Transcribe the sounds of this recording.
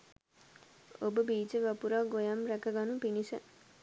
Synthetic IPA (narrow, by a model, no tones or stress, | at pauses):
obəbiːd͡ʒeʋapuɾaɡojamɾækəɡanupinisə̰